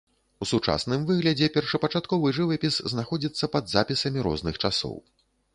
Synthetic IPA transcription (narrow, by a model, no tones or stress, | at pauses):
usut͡ʂa̰snɨmvɨɣlʲɐd͡zʲɛpʲɛrʂɐpɐt͡ʂat̪kɔvɨʐɨvɐpʲisznaxɔd͡zʲit̪sːɐpɐd̪zapʲisɐmʲiɾɔ̰znɨxt͡ʂasɔ̰w